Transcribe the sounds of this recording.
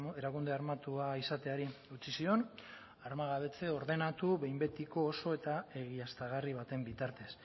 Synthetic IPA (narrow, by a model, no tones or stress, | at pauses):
e̞ɾakund̪e̞aɾmat̪uaisat̪e̞aɾiut͡sisio̞n | aɾmaɣaβe̞t͡se̞o̞ɾðe̞nat̪uβe̞jmbe̞t̪iko̞ːso̞e̞t̪ae̞ɣiast̪aɣ̞ariβ̞at̪e̞mbit̪aɾt̪e̞s